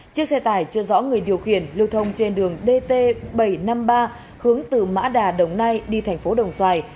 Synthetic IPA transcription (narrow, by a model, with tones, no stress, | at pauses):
t͡ɕɨ˦˥ək̚sɛ˧t̪aː˧˩jt͡ɕɨ˧əzɔ̰˧˥ŋɨ˨˩əjɗi˨˩əwxi˧˩ənlɨ˧˩wt̪ʰə˧wŋ͡mt͡ɕe˧nɗɨ˨˩əŋɗe˧t̪e˧ɓə˧˩jna˧mɓaː˧ | hɨ˨˦əŋt̪ɨ˨˩ma̰ː˧˥ɗaː˨˩ɗə˨˩wŋ͡mna˧jɗi˧t̪ʰɛ˨˩jŋ̟fo˨˦ɗə˨˩wŋ͡mswaː˧˩j